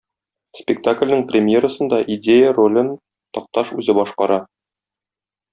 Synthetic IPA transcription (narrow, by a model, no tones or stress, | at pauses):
spʲɪk̚t̪aklʲnɘ̆ŋprʲɪmʲjeɾəsɤ̆nd̪ɑʔid̪ʲejərolʲɤn | t̪ɒq̚t̪ɑʃʉzɘbɒʃqɑɾɑ